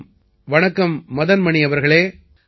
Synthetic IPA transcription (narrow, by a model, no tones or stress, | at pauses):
ʋɐɳɐkːɐmːɐðɐnmɐɳɪɐʋɐɾɣɐɭeː